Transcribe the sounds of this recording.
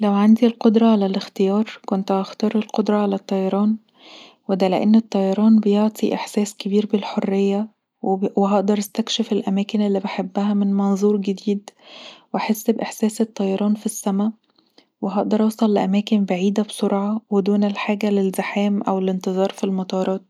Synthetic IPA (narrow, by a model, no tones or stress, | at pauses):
læwʕand̪ilqod̪ɾˤɑʕalælɪxt̪ejɑːɾˤkont̪ʔɑxt̪ɑːɾˤelqod̪ɾˤɑʕalæt̪ˤːɑjɑɾˤɑːn | wed̪ælḛʔenːet̪ˤːɑjɑɾˤɑːnbejoʕt̪ˤʰiʔeħsæːskebiːɾbelħorːejːæ | weɦɑʔd̪ɑɾˤɪst̪ækʃefelʔæmæːkenelːibeħabːæɦæmɪnmɑnzˤuːɾɡed̪iːd̪wʔaħesːbʔeħsæːset̪ˤːɑjɑɾˤɑːnfisːæmæ | weɦɑʔd̪ɑɾˤʔɑsˤɑlːʔæmæːkɪnbaʕiːd̪æbsoɾʕɑwed̪uːnelħaːɡælelzɪħæːmʔæwelɪnt̪ɨzˤɑːɾˤfilmɑt̪ˤɑːɾˤɑːt̪̚